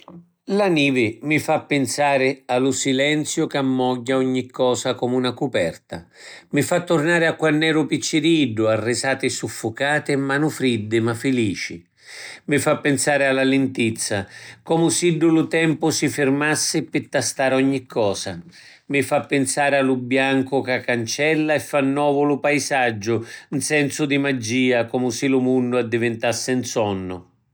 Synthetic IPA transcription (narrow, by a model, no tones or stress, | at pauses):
laniːvɪmɪfapːɪnsaːɾɪalʊsilɛnt̪sjʊkamːɔɟːaɔɲːikʰːɔːsakɔmunakupɛrt̪a̰mɪfat̪ːʊrnaːɾɪakːwanːɛːɾʊpit͡ʃːɪɾiiɖːʊarːɪsaːt̪ɪɛsːufːʊkaːt̪ɪmːanʊfɾid̪ːɪmafːɪliːt͡ʃḭ | mɪfapːɪnsaːɾɪalːalɪnt̪it̪sːakɔmʊsiɖːʊlʊt̪ɛmpʊsɪfɪrmasːɪpɪt̪ːast̪aːɾɔɲːikʰːɔːsa | mɪfapːɪnsaːɾɪalʊbjaŋkʊkakːant͡ʃɛlːaɛfːanːɔːvʊlʊpajsad͡ʒːʊnsɛnsʊd̪imad͡ʒːiːakɔmʊsɪlʊmunːʊad̪ːivɪnt̪asːɪnsɔnːʊ̰